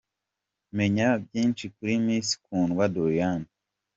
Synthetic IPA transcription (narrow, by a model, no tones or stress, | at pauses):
meɲab̚jiːnt͡ʃikuɾimiːsi̥kʰuːnɡwadojan